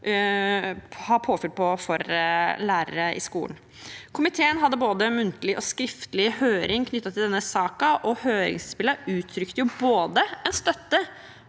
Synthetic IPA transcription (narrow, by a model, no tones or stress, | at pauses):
hɑpʰoːfʏlpʰɔfɔɾlæːɾə̰ɾəʔɪ̰skuːn̩ | kʰʊmɪt̪ʰeːənɦɑd̪ːəboːd̪əmʉnt̪əlɪʔɔskɾɪft̪əlɪhøːɾʔɪŋkʰnʏt̪ːɑt̪ʰːɪld̪ɛnːəsɑːkɑʔɔhøːɾɪ̰ŋsspɪləʉːt̪ʰɾʏkt̪əjʊboːd̪əɛnst̪œt̪ːə